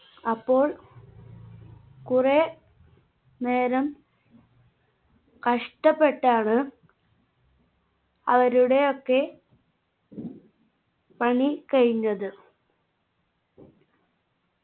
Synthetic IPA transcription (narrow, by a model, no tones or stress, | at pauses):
ɐpːo̞ːɭ | kure | ne̞ːɾɐm | kɐʂʈɐpːe̞ʈːaːɳɨ | ɐ̰ʋɐɾuɽe̞okːe̞ | pɐɳikɐɻiɲːɐðɨ